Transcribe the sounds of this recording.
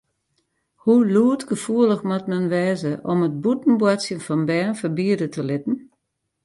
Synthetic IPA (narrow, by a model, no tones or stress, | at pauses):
huluətɡəfuəlˠəxmatmɛnʋɛːzəʔɔmət̚butn̩bwasjənfɔnbɛːnfərbiədətʰəlɪtn̩